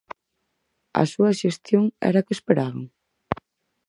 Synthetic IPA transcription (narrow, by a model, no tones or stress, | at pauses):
ɐ̰suɐʃest̪joŋɛ̰ɾakespeɾaβaŋ